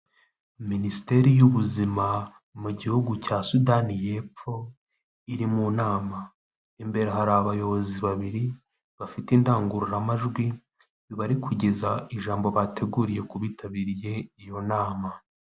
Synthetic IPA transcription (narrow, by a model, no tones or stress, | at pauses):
minisite̞ɾijuβuzima | muɟihuɡucaːsudanije̞p͡fo̞ | iɾimunaːma | imbe̞ɾaɦaɾaβajo̞βo̞ziβaβiɾi | βafitindaːŋɡuɾuɾamaʒɡwi | iβaɾikʰuɟe̞zaiʒaːmbo̞βatʰe̞ɡuːɾije̞kuβitaβiɾije̞ijo̞naːma